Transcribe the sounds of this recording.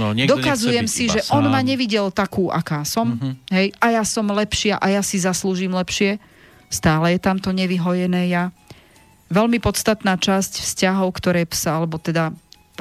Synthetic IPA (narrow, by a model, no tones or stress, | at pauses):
d̪ɔkazujɛmsiʒɛʔɔnmaɲɛʋiɟɛlt̪akuːʔa̰kaːsɔmɦɛjʔajasɔmlɛpʃɪaʔajasizasluːʒiːmlɛpʃɪɛ | st̪aːlɛjɛt̪amt̪ɔɲɛʋiɦɔjɛnɛːja | ʋɛlmipɔt̪st̪at̪naːt͡ʃascfscaɦɔʊkt̪ɔɾɛːpsaalɛbɔt̪ɛd̪a